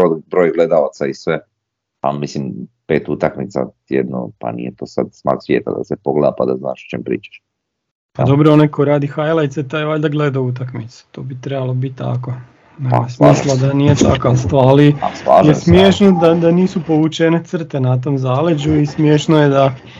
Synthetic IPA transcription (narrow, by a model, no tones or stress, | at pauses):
obɾojɡled̪aat̪saisʋe | pamislimpe̞ːt̪ut̪akmit̪sa̰t̪jed̪no̰pa̰nḭjet̪oːsad̪sma̰ksʋjeːt̪a̰d̪a̰sepoɡled̪apad̪azna̰ːʃo̥t͡ʃeːmpɾḭːt͡ʃḁʃ | pad̪o̞bɾoonajkoɾaːd̪ixajlˠajt̪set̪ajʋaʎʲd̪aɡle̞d̪aut̪akmit̪se̥t̪oːbit̪ɾebalobit̪̚ʲt̪ːa̰ko | neɡojsmiːslˠad̪anijet̪akast̪aːliasa̰ʒjesmjeʃnod̪ad̪aniːsupo̞ʋut͡ʃenet̪sr̩t̪enat̪̬oːmzaːled͡ʑuismjeʃnojed̪a